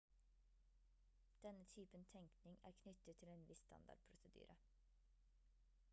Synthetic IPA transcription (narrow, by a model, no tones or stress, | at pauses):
d̪̥ɛnət̪ʰyːpənt̪ʰɛŋknɪŋæ̰ːɾkʰnʏt̪ət̪ʰːɪleːnʋɪst̪ʰɑ̰nd̪ɑ̰ɖ̚pʰɾʊsəd̪y̰ːɾʔə